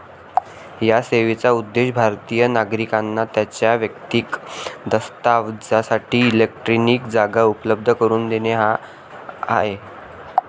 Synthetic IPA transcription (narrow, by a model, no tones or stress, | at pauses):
jaseʋet͡saud̪ːeɕbʱaɾt̪ijənaɡɾikanːat̪jat͡ɕjaʋjək̚t̪iːkd̪əst̪aʋd͡zasaʈiːlek̚ʈɾiniːkd͡zaɡaupələb̚d̪ʱəkəɾuːnd̪eneɦa | a̰ɦe